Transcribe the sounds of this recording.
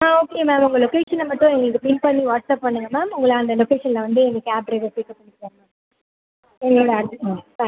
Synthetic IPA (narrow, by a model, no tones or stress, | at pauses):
aːoːkemaːmʊŋɡɐlɔkeːʂɐnlɐmɐʈːõɛnːɐkːɯpɪnpɐɳːiʋaːʈsaːp̚pɐɳːɯŋɡɐmaːmʊŋɡɐɭɐɐnd̪ɐlɔkeːʂɐnlɐʋɐnd̪ɯɛnːɐkːɯaːpɾeʈɐpikːɐpːɐɽɪkːaːɾɐma | ɛnːoːɽɐɐɽt̪ːa